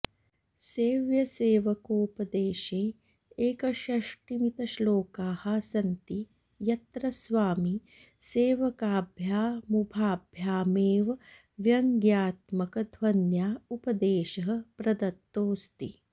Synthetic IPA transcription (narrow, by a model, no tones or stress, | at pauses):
seːʋjɐseːʋɐkoːpɐd̪eːʃeː | eːkɐʃɐʂʈimit̪ɐʃloːkaːhɐsɐnt̪i | jɐt̪ɾɐsʋaːmi | seːʋɐkaːbʱjaːmubʱaːbʱjaːmeːʋɐ | ʋjɐŋɡjaːt̪mɐkɐd̪ʱʋɐnjaːupɐd̪eːʃɐɦɐ̆pɾɐd̪ɐt̪ːoːst̪ḭ